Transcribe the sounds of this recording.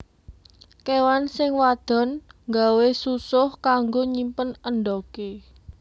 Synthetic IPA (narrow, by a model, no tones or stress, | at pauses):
kewansɪŋwad̪̥ɔ̤nŋɡa̤wesusʊhkaŋɡoɲimpənənɖɔke